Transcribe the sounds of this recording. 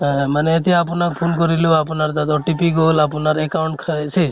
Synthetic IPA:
maneet̪̬iapunak̚pʰunkɔɾiluapunaɾd̪ad̪ɔʈipiɡolapunaɾekawɳʈkʰasʰi

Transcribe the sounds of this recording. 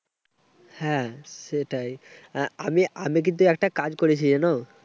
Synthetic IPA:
hɛ̃ʃeʈajamiamik̬int̪uɛk̚ʈakad͡ʑkoɾet͡ɕʰid͡ʑɛno

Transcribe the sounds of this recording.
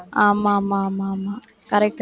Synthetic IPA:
aːmamamaːma | kɐɾɛk̚ʈ

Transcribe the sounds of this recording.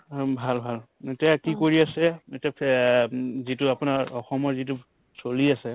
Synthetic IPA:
bʱalbʱal | etiakikoɹiasɛetapʰ | zituapʊnaɹɔxɔmɔɹzit̬u | soliasɛ

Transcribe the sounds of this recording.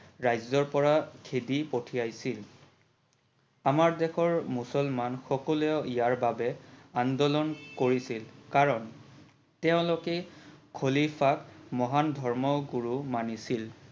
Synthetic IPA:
ɹajzɔɹpɔɹakʰedipotʰijajsil | amaɹdɛxɔɹmusɔlmanxɔkɔlɛʊijaɹbabɛandɔlɔnkoɹisilkaɹɔn | tɛʊ̃lokɛkʰolifʰakmɔɦandʱɔɹmɔɡuɹumanisil

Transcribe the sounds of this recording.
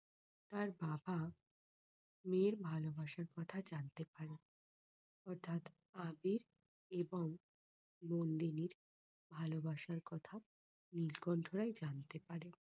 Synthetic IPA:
t̪aɾbaba | meɾbʱalobaʃaɾkɔt̪ʰad͡ʑant̪epaɾe | ɔɾt̪ʰat̪ | abiɾ | eboŋ | mond̪iniɾ | bʱalobaʃaɾkɔt̪ʰa | nilkɔnʈoɾajd͡ʑant̪epaɾe

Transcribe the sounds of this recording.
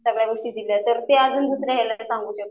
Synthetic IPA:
səɡɭjaɡoʂʈiːd̪ilat̪əɾt̪ead͡zuːnd͡z̪usɾeɦaləsãŋɡuːt͡ɕe

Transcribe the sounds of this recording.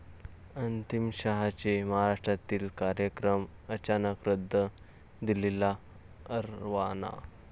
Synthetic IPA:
ənt̪imɕaɦat͡ɕeməɦaɾaʂʈɾat̪iːlkaɾjəkɾəm | ət͡ɕanəkɾəd̪ʱːə | d̪ilela | əɾʋana̰

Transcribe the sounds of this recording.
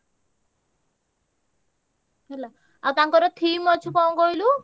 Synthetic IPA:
ɦɛla | awt̪aŋkɔɾɔt̪ʰiːmɔt͡ʃʰukɔŋɡɔjlu

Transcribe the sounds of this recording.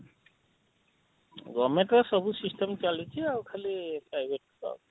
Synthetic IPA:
ɡɔmeʈʌsʌbusisʈemt͡ʃalit͡ʃʰiawkʰəlipɾajbʱeʈ̚sa̰

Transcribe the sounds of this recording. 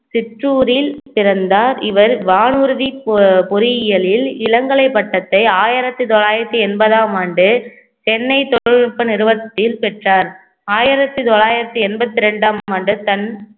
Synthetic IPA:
sɪʈruːɾɪlpɪɾɐnd̪aːɾɪʋɐɾʋaːnɯɾɯðipɔɾɪjɪjɐlɪlɪlɐŋɡɐɭɐɪpːɐʈːɐt̪ːɐɪaːjɪɾɐt̪ːɯt̪ɔɭaːjɪɾɐt̪ːɯɛnbɐðaːmaːɳɖɯ | t͡ʃɛnːɐɪt̪ɔɽɐɻpːɐnɪɾɯbɐt̪ːɪlpɛʈraːɾ | aːjɪɾɐt̪ːɯt̪ɔɭaːjɪɾɐt̪ːɯɛnbɐt̪ːɯɾɛɳɖaːmmaːɳɖɯt̪ɐn

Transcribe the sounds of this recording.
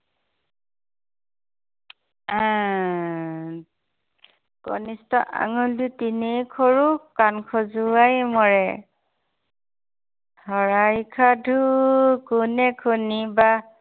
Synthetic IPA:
a | kɔ̰nistɔʔa̰ŋuldutinekʰɔɹukankʰɔzuajmɔɹɛ | hɔɹajkʰadʱukunɛkʰuniba

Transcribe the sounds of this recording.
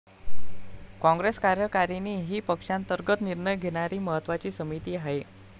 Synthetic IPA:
kɔ̃ŋɡɾeskaɾjəkaɾiniːɦiːpəkʂant̪əɾɡət̪niɾɳəjɡʱeɽ̃aɾiːməɦət̪ʋat͡ɕiːsəmit̪iːɦaɦe

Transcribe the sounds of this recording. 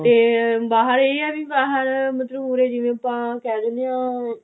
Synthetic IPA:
t̪eːbaːɦəɾeːiɛːbiːbaːɦəɾmət̪ləbuːɾeːd͡ʒɪʋẽːəpːãːkɛːd̪ɪnd̪ejãː

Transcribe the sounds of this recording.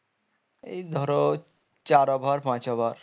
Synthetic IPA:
ḛjd̪ʱɔɾo | t͡ɕaɾɔbʱaɾpãt͡ɕɔbʱaɾ

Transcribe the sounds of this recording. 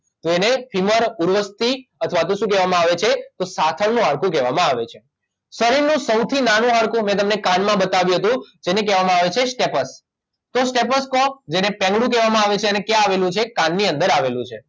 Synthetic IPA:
t̪oenefʰiməɾuɾʋəst̪iət̪ʰəʋat̪oʃũk̬ɛʋamãaʋet͡ʃʰet̪osat̪ʰəɭnũɦaɽkũk̬ɛʋamãaʋet͡ʃʰe | səɾiɾnũsəwt̪ʰinanũɦaɭkũmɛ̃t̪̬əmnekanmãbət̪aʋjuɦət̪̬ũd͡ʒenek̬ɛʋamãaʋet͡ʃʰesʈepəs | t̪osʈepəskɔ̃d͡ʒenepɛ̃ŋɡɭũkɛʋamãaʋet͡ʃʰeənekjaːʋelũt͡ʃʰekanːiə̃nd̪əɾaʋelũt͡ʃʰe

